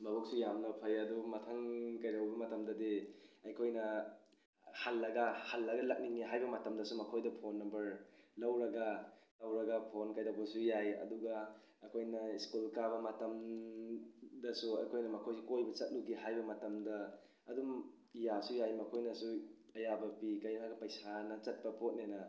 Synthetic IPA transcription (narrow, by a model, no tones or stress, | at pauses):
mɐbuk̚sujamnɐpʰɐjɐdumɐtʰɐŋkɐjɾɐwbɐmɐtɐmdɐdiɐjkʰojnɐ | halːɐɡɐhalːɐɡɐlɐk̚niŋiɦajbɐmɐtɐmdɐsumɐkʰojdɐpʰonːɐmbɐɾlɐwɾɐɡɐlɐwɾɐɡɐpʰonkajdɐbɐsujajɐ̰duɡɐː | kʰojnɐiskulkabɐmɐtɐm | dɐsuɐjkʰojnɐmɐkʰojsikojbɐt͡ʃɐt̚luɡiɦajbɐmɐtɐmdɐː | dum | ijasujajmɐkʰojnɐsuɐjabɐpikɐjaɡɐpɐjsanɐt͡ʃɐt̚pɐpot̚nenɐ